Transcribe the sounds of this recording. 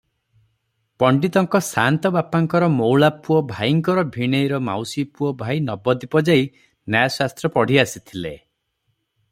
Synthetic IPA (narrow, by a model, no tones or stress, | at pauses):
pɔɳɖit̪ɔŋkɔsant̪ɔbapaŋkɔɾɔmowɭapuɔbʱajiŋkɔɾɔbʱiɽ̃ejɾɔma̰wsipuɔbʱajnɔbɔd̪ipɔd͡ʒaj | najasast̪ɾɔpɔɽ̤iasit̪ʰilḛ